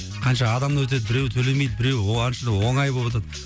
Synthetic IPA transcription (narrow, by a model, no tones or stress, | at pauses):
qʰɑnʃɑːd̪ɑmd̪wɵt̪̬e̞d̪ɪbɪɾe̞wt̪ʰɵle̞me̞jd̪ɪbɪɾe̞wɑnʃəd̪əwo̞ɴɑjbolˠpat̪ɑd̪